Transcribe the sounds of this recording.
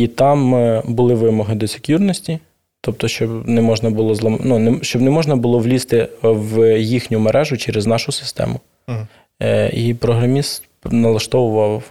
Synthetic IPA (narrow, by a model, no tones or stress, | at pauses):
it̪ɑmbʊlˠɪʋɪmɔɦɪd̪ɔsʲɪ̥kʲjurnɔsʲtʲi | t̪ɔp̚t̪ɔʃt͡ʃɔbnɛmɔʒnɐbʊlˠɔzlˠɐmnunɛʃt͡ʃɔbnɛmɔʒnɐbʊlˠɔʋlʲist̪ɪwjixnʲʊmeɾʔɛʒʊt͡ʃɛɾeznɑʃʊsɪ̥st̪ɛ̰mʊ | ipɾɔɦɾɐmʲist̪ | nɐlˠɐʃt̪ɔʋʊʋɐw